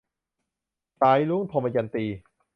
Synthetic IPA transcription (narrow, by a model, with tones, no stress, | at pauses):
saː˨˦jlu˦˥˨ŋt̪ʰɔː˧ma˧ja˧nt̪iː˧